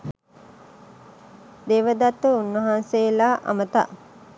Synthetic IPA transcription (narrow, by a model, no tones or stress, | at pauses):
d̪eːʋəd̪at̪ʋəunʋəɦanseːlaːʔa̰mət̪a̰